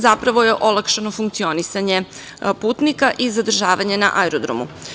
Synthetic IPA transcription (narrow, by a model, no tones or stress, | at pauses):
zapɾaʋo̞je̞ʔo̞lˠakʃeno̞fuŋk̚t̪sionisaɲe̞ | puːt̪nikaʔizad̪r̩ʒaːʋaɲe̞na̰ʔajɾod̪ɾo̰mṵ